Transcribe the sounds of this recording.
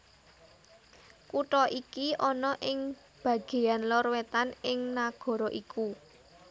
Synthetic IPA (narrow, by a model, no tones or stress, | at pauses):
kuʈɔʔikiʔɔnɔʔɪŋ | b̥ä̤ɡ̥e̤janlɔɾwet̪anɪŋnaɡ̥ɔ̤ɾɔʔikʰu